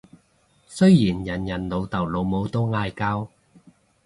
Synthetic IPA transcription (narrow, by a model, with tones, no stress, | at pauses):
sɵ˥ɥjiː˨˩njɐ˨˩njɐ˨˩nlo˨˧wt̪ɐ˨˩wlo˨˧wmo˨˧wt̪o˥wŋaː˧jkaː˥w